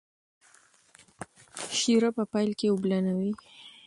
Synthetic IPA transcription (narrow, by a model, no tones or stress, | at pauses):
ʃiɾapəpajlkeʊblanawi